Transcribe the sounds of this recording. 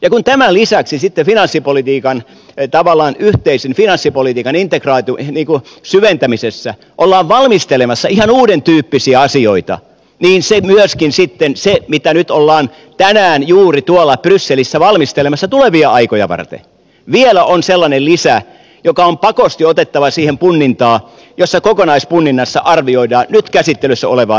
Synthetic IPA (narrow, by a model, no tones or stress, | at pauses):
jɑkunt̪æmælisæksisit̪ːefinɑnsːipolit̪iːkɑn | t̪ɑʋɑlːˑɑːnyht̪eisinfinɑnsːipolit̪iːkɑnint̪ekrɑːt̪iuniːŋkusyʋent̪æmisesːæ | ʔolːɑːʋʋɑlmist̪elemɑsːɑihɑnuːɾent̪yːpːisiæɑsioit̪ɑ̰ | niːnsemyøskinsit̪ːensemit̪ænyt̪olːɑːn | t̪ænæːnjuːrit̪uolːɑprysːelisːæʋɑlmist̪elemɑsːɑt̪uleʋiɑɑikojɑ̰ʋɑ̰rt̪ḛ | ʋielæʔonselːɑnellisæ | jokɑompɑkost̪iot̪et̪ːɑʋɑsiːhempunːint̪ɑː | josːɑkokonɑispunːinːɑsːɑʔɑrʋioidɑːnnyt̪kæsit̪ːelysːæ̰o̰leʋɑ̰ː